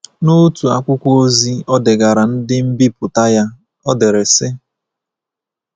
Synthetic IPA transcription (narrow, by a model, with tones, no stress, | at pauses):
nu˦tu˨a̰˦kʷʊ˦kʷu˦o˦zi˦ɔ˦dɪ˨ɡa˨ɾa˨n̩˦dɪ˦m̩˦bi˦pʊ˨ta˦ja˦ | ɔ˦dɪ˨ɾe˨sɪ˦